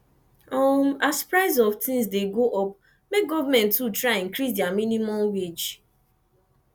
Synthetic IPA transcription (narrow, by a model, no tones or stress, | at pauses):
ɔmaspɾaɪzɔvtʰĩŋzdeɡoʔɔp | mek̚ɡɔvamɛ̃ntːutɾaɪĩŋkɾisdaminimɔ̃mwed͡ʒ